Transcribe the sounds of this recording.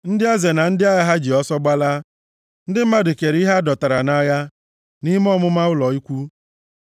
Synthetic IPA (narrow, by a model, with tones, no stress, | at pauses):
n̩˦dɪ˦a˦ze˨na˨n̩˦dɪ˦a˦ja˦ɦa˦d͡ʒi˨ɔ˦sɔ˦ɡ͡ba˦la˦ | n̩˦dɪ˦m̩˦ma˦dʊ˨ke˨ɾi˦ɦa˦dɔ˨ta˨ɾa˨na˦ja˦ | ni˦m˦ɔ˦mʊ˦ma˦ʊ˦lɔ˨i˦kʷu˦